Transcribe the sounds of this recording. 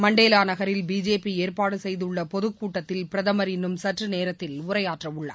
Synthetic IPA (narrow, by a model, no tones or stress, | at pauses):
mɐɳɖeːlaːnɐɣɐɾɪlbiːd͡ʒeːpːieːɾpaːɽɯsɛjðɯɭːɐpɔðɯkːuːʈːɐt̪ːɪlpɪɾɐðɐmɐɾɪnːɯmsɐʈrɯneːɾɐt̪ːɪlʊɾɐjaːʈrɐʊɭːɐ̰ː